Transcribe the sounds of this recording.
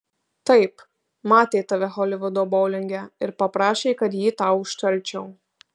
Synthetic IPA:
t̪ɐɪp | mɑːt̪ʲeɪt̪ɑʋʲɛxɔlʲɪʋʊd̪obɔʊlʲɪŋʲɡʲɛɪɾpɐpɾɑːʃʲɛɪkɐt̪jiːt̪ɑʊʊʃt̪ɐɾʲt͡ʃʲɛʊ

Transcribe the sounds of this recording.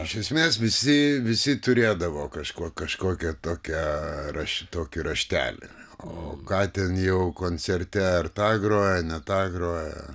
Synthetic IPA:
ɪʃʲɛsʲmʲeːsʋʲɪsʲɪʋʲɪsʲɪt̪ʊɾʲeːd̪ɐʋoːkɐʃkoɔkɐʃkoːkʲɛt̪oːkʲɛrɐʃʲt̪oːkʲɪɾɐʃʲt̪ʲæ̰ːlʲɪ̰ooːkɑːt̪ʲɛnjɛʊkoːnʲt͡sʲɛrʲt̪ʲɛɐrt̪ɑːɡɾoːjɛnʲɛt̪ɑːɡɾoːjɛ̰

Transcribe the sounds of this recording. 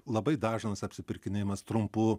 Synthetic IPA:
lˠɐbɐɪd̪ɑːʒɪnɐsɐpʲsʲɪpʲɪɾʲkʲɪnʲeːjmɐst̪ɾʊmpu

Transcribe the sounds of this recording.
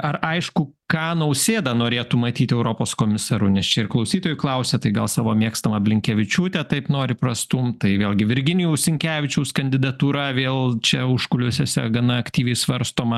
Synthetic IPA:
ɐrɐɪʃkʊ | kɑːnɐʊsʲeːd̪ɐnoːɾʲeːt̪umɐt̪ʲiːt̪ʲɛʊɾoːpoːskoːmʲɪsɑɾunʲɛst͡ʃʲɛɪrklˠɐʊsʲiːt̪oːjuklˠɐʊsʲɛt̪ɐɪɡɐlˠsɑːʋoːmʲiɛkst̪ɐmɐbʲlʲɪŋʲkʲɛʋʲɪt͡ʃʲuːt̪ʲɛt̪ɐɪpnoːɾʲɪpɾɐst̪umt̪ɐɪʋʲeːlˠɡʲɪʋʲɪɾʲɡʲɪnʲɪjuːsʲɪŋʲkʲæːʋʲɪt͡ʃʲɛʊskɐnʲd̪ʲɪd̪ɐt̪uːɾɐʋʲeːlˠt͡ʃʲɛʊʃkʊlʲʊsʲɛsʲɛɡɐnɐɐkt̪ʲiːʋʲɛɪsʋɐɾst̪oːmɐ

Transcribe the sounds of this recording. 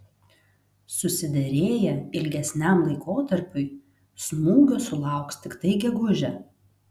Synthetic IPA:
sʊsʲɪd̪ʲɛɾʲeːjɛɪlʲɡʲɛsʲnʲæˑmlˠɐɪkoːt̪ɐɾʲpʲʊɪ | smuːɡʲosʊlˠɑˑʊkst̪ʲɪkt̪ɐɪɡʲɛɡʊʒʲɛ

